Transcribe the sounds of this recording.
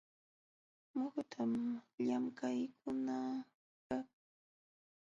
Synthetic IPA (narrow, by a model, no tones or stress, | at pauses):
mokt̪ʰamʎamkajk̚ʰʊna | ka